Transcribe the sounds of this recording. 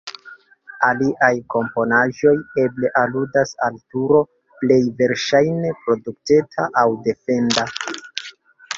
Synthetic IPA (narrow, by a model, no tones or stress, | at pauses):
aliʔajko̞mpo̞naʒo̞je̞ble̞ʔaludasaltuɾo̞ | ple̞jve̞ɾʃajne̞pɾo̞duk̚tetʰaʔawde̞fe̞nda